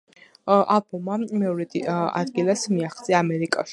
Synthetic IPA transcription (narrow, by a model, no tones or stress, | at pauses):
ʔalˠbɔmːamɛɔɾɛd̪a̰d̪ɡilˠasmiaχt̪sʼiaːmɛɾikʼa̰ʃ